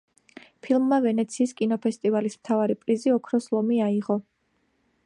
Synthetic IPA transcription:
pʰilˠmːavɛnɛt̪sʰiːskʼinɔpʰɛst̪ʼivalismt̪ʰavaɾipʼɾiziɔkʰɾɔslˠɔmiaiʁɔ

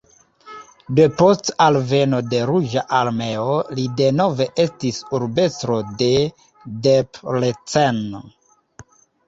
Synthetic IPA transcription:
depo̞stalve̞no̞de̞ɾud͡ʒaʔaɾme̞olide̞no̞ve̞ʔe̞stisuɾbe̞stɾo̞de̞ | deplet͡sen

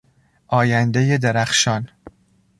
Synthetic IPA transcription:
ʔɒːjænd̪eje̞d̪eɾæxʃɒːn

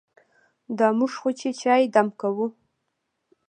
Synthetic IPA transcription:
d̪ɑmuʐxot͡ʃet͡ʃɑjed̪amkawu

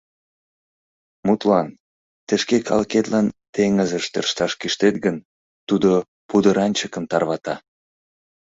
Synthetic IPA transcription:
mut̪lɑn | t̪eʃkekʰɑ̰lket̪lɑnt̪eŋəzəʃt̪ḛrʃt̪ɑʃkiʃt̪et̪ɡən | t̪ud̪o | pud̪əɾɑnʲt͡ɕəkəmt̪ɑrβɑt̪ɑ

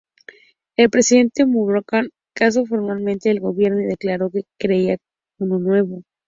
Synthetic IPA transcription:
elpɾe̞siðe̞nt̪e̞muβɾokaŋ | kas̬ofo̞ɾmalmẽ̞nt̪eːlɣo̞βje̞ɾno̞iðe̞klaɾo̞ke̞kɾe̞ia | unonwe̞βo̞

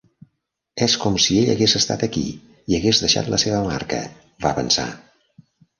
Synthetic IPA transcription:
ɛskɔmsieʎə̰ɣezəst̪a̰t̪əkḭ | iəɣezðəʃa̰t̪ləseβəma̰ɾkə̰ | βaβənsa̰

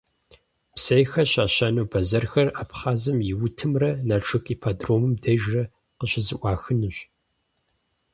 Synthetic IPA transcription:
psɐjxɐɕaːɕɐnuːbʰɐzɐrxɐraːpχaːzɨmjɪwʊtʰɨmrɐnaʈ͡ʂʰʼɨkʼiːpʰaːdroːmɨmdɐʒrɐ | qəɕɪzɨʔʷɑːxɨnɨɕ

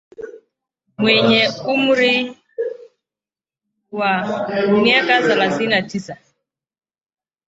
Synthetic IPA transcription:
mwɛɲɛumuɾi | wamiakazalaθinatʰisa

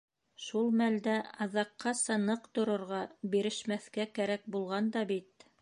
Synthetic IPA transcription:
ʃulˠmæld̪æɑðɑqːɑsɑnɤqt̪ŏɾŏɾʁɑbiɾɘ̆ʃmæθkækæɾæk̚bulˠʁɑnd̪ɑbit̪̚

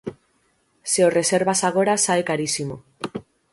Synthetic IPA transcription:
seore̞se̞ɾβasaɣo̞ɾasaekaɾisimo̞

